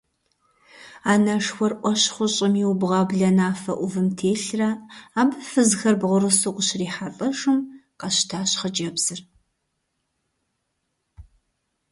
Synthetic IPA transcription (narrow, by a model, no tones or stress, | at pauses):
aːnɐʂxʷɔrʔʷɔɕχʷʊɕʼɪmiwbʁɐbɮɐnaːfɐʔʷʊvɨmtʰeːɬrɐaːbɨfɨzxɐrbʁʷʊɾɨsoqʷʼʊɕriːħafʼɐʂɨmqɐɕtʰaːɕχəd͡ʒʼɐbz̥ɨr